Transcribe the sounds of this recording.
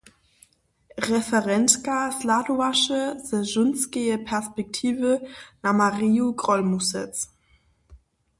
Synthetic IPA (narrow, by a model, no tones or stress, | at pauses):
ʁɛfəʁɛntkasladuaʃəzəzʊnsɡeəpʰɛɐspɛk̚tʰiːvənamaʁiːuɡʁɔlmusɛt͡s